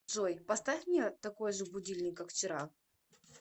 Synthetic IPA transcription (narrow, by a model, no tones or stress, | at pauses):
ʐojpɐst̪afʲmnʲet̪ɐko̞jʐɨbʊdʲilʲnʲɪkːakft͡ɕɪɾa